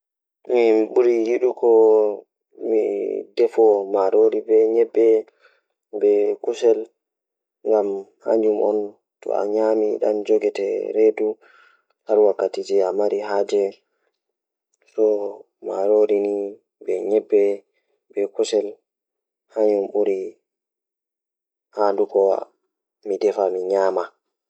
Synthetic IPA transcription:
miɓuɾijiɗukɔ | midɛfɔmaɾoɾibɛɲɛbːɛ | bɛkusɛl | ŋɡamha̰ɲd͡ʒumɔ̰n | tɔ̰a̰ɲamiɗa̰md͡ʒoɡɛtɛ̰ɾedu | haɾwakːatid͡ʒɛamaɾiɦaːd͡ʒɛ | sɔ | ma̰ɾoɾini | bɛɲɛbːɛ | bɛkusɛl | haɲumɓuɾi | handukɔ | midɛfamiɲaːma

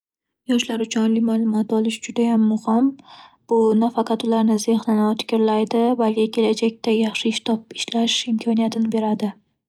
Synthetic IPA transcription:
jɒʃlaɾʊt͡ʃʰʊnlɪmalˠʊmɒt̪ɒlˠɪʃd͡ʒʊd̪ajamːʊhɪmb̥ʊnafɑqʰɑt̪ʊlaɾnɪzehlanawt̪ʰɪ̥kʲʰɪɾlajd̪ɪbalkʲɪkʲʰe̞lad͡ʒak̚ʲt̪ajɑχʃɪɪʃt̪ʰɒp̚ɪ̥ʃlaʃɪmkʰɒnijat̪ʰɪnɪbe̞ɾad̪ɪ

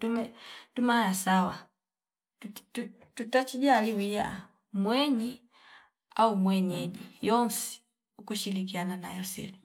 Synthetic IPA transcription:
tumɛtumajasawa | tu̥tu | tutat͡ʃiɟaːliwija̰ | mwɛɲi | aumwɛɲɛɟijɔnsi̥ | ukuʃilik̬iananajɔsḭli

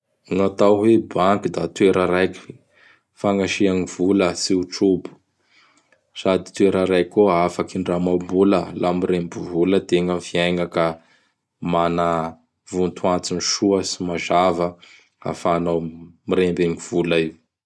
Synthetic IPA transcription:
ŋat̪awɦebaŋkud̪at̪weɾəɾajkʲi̥ | faŋaʃiaŋivuləsiuʈ͡ʂubu̥ | sad̪i̥t̪weɾəɾajkʲoafakiɳɖ͡ʐamawmbuləlamiɾembuvuləd̪eŋamfiajŋakə | mana | vunt̪ʰuant͡siniʃuəsimazavə | a̰fanawmiɾembeŋiv̥ulaiw

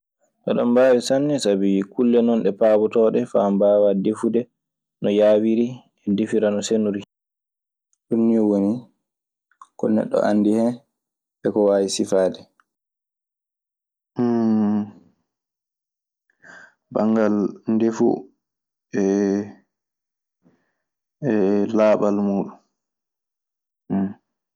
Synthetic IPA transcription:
ʔɔɗambaːwisanːɛsabikulːɛnɔnɗɛpaːbɔtɔːɗɛfambaːwadefudɛ | nɔjaːwiɾi | ɛdefiɾanɔsenuɾi | ɗunːijɔwoni | kɔnɛ̰ɗːɔ̰ʔanːdihɛ | ɓɛkɔwaːwisifaːdɛ | baŋɡalndefṵ | ɛ | ɛlaːɓalmuːɗum

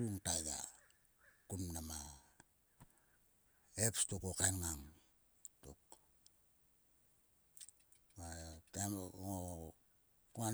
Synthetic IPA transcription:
uŋtaja̰ | kunmnama | epstukokanŋaŋ | tuk | makeo | kua

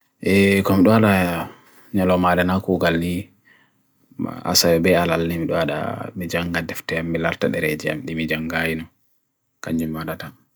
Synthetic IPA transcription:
ʔɛkɔmiɗɔaɗa | ɲalɔmadanakuɡalni | a̰sawɛbɛalalːɛmiɗɔaɗa̰mid͡ʒaŋɡadɛftɛamːilaɾtaɗɛɾɛd͡ʒia̰mɗimid͡ʒaŋɡajinɔ | kaɲd͡ʒumːaɗata

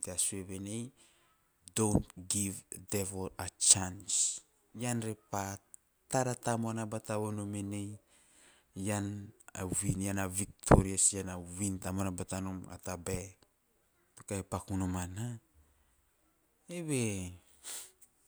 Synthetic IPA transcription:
teasueβenej | downtɡivdevolat͡ʃans | janɾepa | taɾatamoanabataβonomenej | jana̰winjanavik̚tʰoɾiasjanawintamonabatanoma̰tabe | tokaepakunomana | eβe

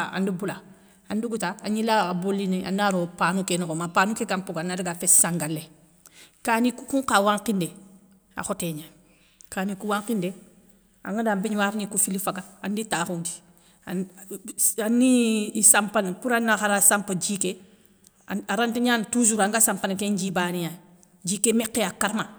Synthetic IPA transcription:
a̰ndibula | anduɡutaaɲilaabolineʔa̰naɾopaːnukenɔɡɔmapaːnukekãmpoɡanaɾiɡafesãŋɡale | kaːnikukũŋkawãŋkinde | a̰xɔteːɲa | kaːnikuwãŋkinde | a̰ŋɡadambeɲwaːɾnikufilifaɡaːnditaːxundi̥ | anːiisampanepuɾanːaxaɾasampad͡ʒike | aɾanteɲaːntuzuɾaŋɡasampanekeɲd͡ʒibaːnija | d͡ʒiːkemekːeakaɾma

